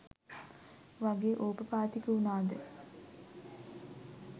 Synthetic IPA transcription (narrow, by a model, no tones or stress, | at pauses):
ʋaɡeːʔoːpəpaːt̪ikəunaːd̪ə